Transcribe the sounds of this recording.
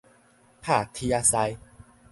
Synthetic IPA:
pʰaː˥˩t̪ʰi˧a˧sa˧j

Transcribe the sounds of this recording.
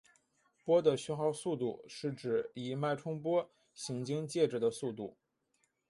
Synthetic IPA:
pwɔ˥d̪ə˨ɕɛ˥nxɑ˥˧ʊsu˥˧t̪ṵ˥˧ʂɻ̩˥˩ʈ͡ʂɻ̩˨˩i˧˩ma˥˩ɪʈ͡ʂʰʊ˥ŋpwɔ˥ | ɕi˧˥ŋt͡ɕi˥ŋt͡ɕjɛ˥˩ʈ͡ʂɻ̩˨˩d̪ə˦su˥˧t̪u˥˩

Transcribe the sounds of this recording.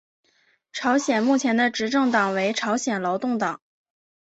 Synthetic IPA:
ʈ͡ʂʰɑ˧˥ʊɕjɛ˨˩nmu˥˩t͡ɕʰjɛ˧˥nd̪ə˧ʈ͡ʂɻ̩˧˥ʈ͡ʂɤ˥˩ŋt̪ɑ˨˩ŋwe˧˥ɪʈ͡ʂʰɑ˧˥ʊɕjɛ˨˩nlɑ˧˥ʊt̪ʊ˥˩ŋt̪ɑ˨˩˦ŋ

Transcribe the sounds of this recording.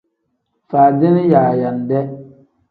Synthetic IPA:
faː˨dɪ˦nɪ˦jaː˨ja˨n˨dɛ˦

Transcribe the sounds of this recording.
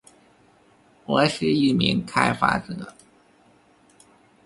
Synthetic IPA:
wɔ˧˥ɕ̩˥i˥˩mḭ˧˥ŋkʰa˥ɪfa̰˥t͡sɤ˧˥˦

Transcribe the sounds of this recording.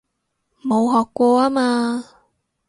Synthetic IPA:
mo˨˧wɦɔː˨˩kːʷɔː˧aː˥maː˧

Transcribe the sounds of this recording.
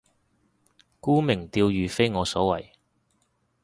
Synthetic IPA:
kuː˥mɪ˨˩ŋt̪iː˧wjyː˨fe˥jŋɔː˨˧sɔː˨˥wɐ˨˩j

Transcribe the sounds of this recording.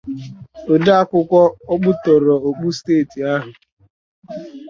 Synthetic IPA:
o˨da˦a˦kʷʊ˦kʷɔ˦ɔ˦k͡pʊ˦tɔ˨ɾɔ˨o˨k͡pu˦steː˦˨ti˨a˦ɦʊ˨

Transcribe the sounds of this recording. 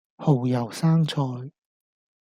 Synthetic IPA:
ho˨˩wjɐ˨˩wsaː˥ŋt͡sʰɔː˧j

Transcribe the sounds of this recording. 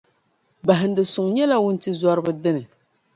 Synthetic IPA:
ba˨ɦɪ˨n̩˦dɨ˨sʊ˨ŋɲɛ˦la˦wʊ˦n̩˦ti˦zɔ˦ɾɨ˦bɨ˦dɨ˦nɨ˨

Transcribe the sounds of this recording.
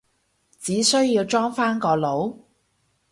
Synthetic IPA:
t͡siː˨˥sɵ˥ɥjiː˧wt͡ʃɔː˥ŋfaː˥nkɔː˧lo˨˥w

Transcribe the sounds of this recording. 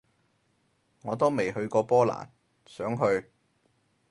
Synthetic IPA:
ŋɔː˨˧t̪̬o˥wme˨˩jɦɵ˧ɥkɔː˧pɔː˥la̰ː˨˩n | sœː˨˥ŋɦɵ˧ɥ

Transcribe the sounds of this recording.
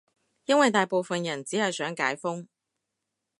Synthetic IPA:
jɐ˥nwɐ˨jt̪aː˨jpo˨wfɐ˨njɐ˨˩nt͡siː˨˥hɐ˨jsœː˨˥ŋkaː˨˥jfʊ˥ŋ

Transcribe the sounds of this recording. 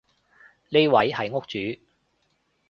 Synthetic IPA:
le˥jwɐ˨˥jhɐ˨˧jŋʊ˥k̚t͡ʃyː˨˥

